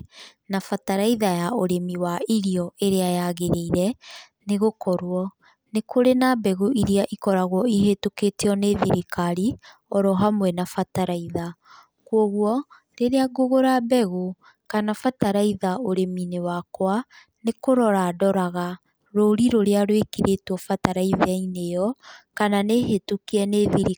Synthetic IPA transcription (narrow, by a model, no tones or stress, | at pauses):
nafataɾaiðajaoɾemiwaiɾiɔeɾeajaɣeɾeiɾɛ | neɣokɔɾwɔ | nekʰoɾenabɛɣuʔiɾiaʔikɔɾaɣwɔiɦetoketeɔneðiɾikʰaɾi | ɔɾɔɦamwɛnafataɾaiða | kwɔɣwɔ | ɾeɾeaɡoɣoɾabɛɣo | kanafataɾaiðaoɾeminewakwa | nekoɾɔɾadɔɾaɣa | ɾoɾiɾoɾeaɾwekiɾetwɔfataɾaiðainejɔkananeɦetokiɛneðiɾi